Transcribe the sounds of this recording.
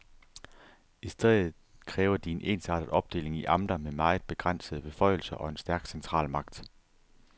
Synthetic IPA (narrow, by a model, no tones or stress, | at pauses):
isd̥eð̰ˠð̩ˠkʰʁɛːʊɐd̥ie̝nʔe̝̰ːnsɑ̰̈ːdɾəð̩ˠɒ̽b̥̚d̥e̝̰ːle̝ŋiʔɑ̈md̥ɐmemɑ̈ɪð̩ˠb̥e̝ɡ̥ʁɑn̰səð̞̩ˠəb̥e̝fɒ̽ɪ̰l̩sɐʔɒ̽e̝nsd̥æɐɡ̥sent͡sʰʁɑ̰̈ːlmɑ̈ɡ̥̚d̥